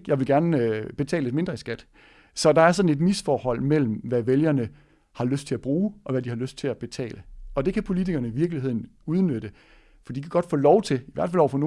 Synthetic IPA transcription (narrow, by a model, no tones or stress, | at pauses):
jɑ̈ɪʋe̝lɡ̥æɐnøb̥e̝t͡sʰɛ̰ːləe̥me̝nd̥ʁɐisɡ̥æd̥ | sɒ̽d̥ɑ̈æɐsɒ̽d̥n̩e̝d̥misfɒːhɒ̽l̰mel̰m̩ʋæʋeljɐnə | hɑ̈løsd̥̚t͡sʰe̝æb̥ʁuːʔɒ̽ʋæd̥ihɑ̈løsd̥̚t͡sʰe̝læb̥e̝t͡sʰɛ̰ːləɒ̽d̥e̝kʰæpʰo̝lit͡sʰiɡ̥ɐnəiʋiɐɡ̥lihe̝ð̞̰ˠn̩ | uð̞ˠnød̥ə | fd̥ḭd̥ikʰæ̥ɡ̥ɒ̽d̥fɔ̰ːlɒʊt͡sʰe̝iʋæɐd̥fælɒ̰ʊ̰fɒ̽no̝ː